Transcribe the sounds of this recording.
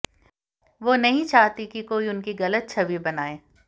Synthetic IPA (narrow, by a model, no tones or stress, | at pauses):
ʋoːnɐɦĩt͡ʃaːɦt̪ikikoːiʊnkiɣɐlət̪̚t͡ʃʰɐbibɐnaːeː